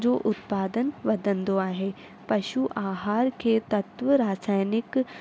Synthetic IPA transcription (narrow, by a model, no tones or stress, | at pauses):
d͡ʒoːʔʊt̪paːd̪ənʋɐd̪ə̃nd̪oaːɦeː | pɐʃuʔaːɦaːɾket̪ɐt̪ʋəɾaːsaːjnɪk